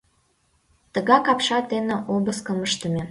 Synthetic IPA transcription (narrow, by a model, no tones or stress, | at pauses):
t̪əɣɑkɑpʃɑd̪enĕʔobəskəməʃt̪əmʲe